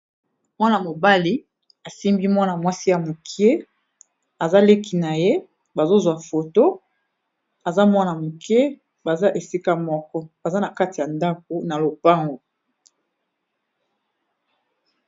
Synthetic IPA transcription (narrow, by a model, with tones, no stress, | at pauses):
mwa˦na˨mo˨ba˦li˦ | a˨si˦mbi˦mwa˦na˨mwa˦si˦ja˨mo˨kʰi˦e˦ | a˨za˦le˦ki˨na˨je˦ | ba˨zo˦zwa˨fo˨to˦ | a˨za˦mwa˦na˨mo˨ke˦ | ba˨za˦ʔe˨si˦ka˦mɔ˦kɔ˦ba˨za˦na˨ka˦ti˨ja˨nda˦k̚o˨na˨lo˨pa˦ŋɡo˨